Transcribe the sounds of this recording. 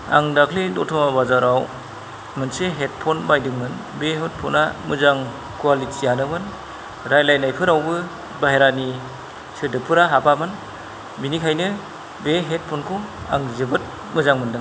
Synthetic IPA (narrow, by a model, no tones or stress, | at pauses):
a̰ŋdakʰlidɔtʰɔmabazaɾaw | mɯnseɦet̚pʰɔnbajdɯŋmɯnbeɦɯt̚pʰɔnamɯzaŋ | kwalitʰianɯmɯn | ɾajlajnajpʰɯɾawbɯ | baɦeɾani | sɯdɯpʰɯɾaɦapamɯn | binikʰajnɯ | beɦet̚pʰɔnkʰɯa̰ŋzɯbɯt̚ | mɯzaŋmɯndɯŋ